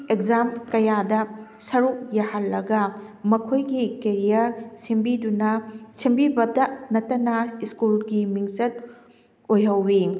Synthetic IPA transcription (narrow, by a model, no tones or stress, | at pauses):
ekzamkɐjadɐsɐɾuk̚jɐhalːɐɡɐ | mɐkʰojɡikeɾijɐɾsimbidunɐsimbibɐdɐnɐtːɐnɐiskulɡimiŋsɐt̚ | ojɦɐwːi